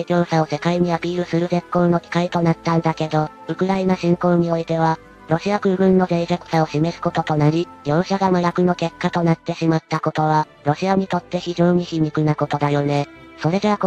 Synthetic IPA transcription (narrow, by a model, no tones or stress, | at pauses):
it͡ɕʲo̞ːɕao̞se̞kaiɲ̟iapʲiːɾɯ̟sɨɾɯ̟ze̞kːo̞ːno̞kʲi̥kait̪o̞nat̪ːãnd̪ake̞d̪o̞ | ɯ̟kɯ̟ɾainaɕĩŋkõ̞ːɲ̟io̞it̪e̞β̞a | ɾo̞ɕiakɯ̟ːbɯ̟̃nːo̞d̪eiʑekɯ̥sao̞ɕime̞sɨ̥ko̞t̪o̞t̪o̞naɾʲijo̞ːɕaɡamajakɯ̟no̞ke̞kːat̪o̞nat̪ːe̞ɕimat̪ːako̞t̪o̞β̞a | ɾo̞ɕiaɲ̟it̪o̞t̪ːe̞çiʑo̞ːɲ̟içimʲikɯ̟nako̞t̪o̞d̪ajo̞ne̞so̞ɾe̞d̪ea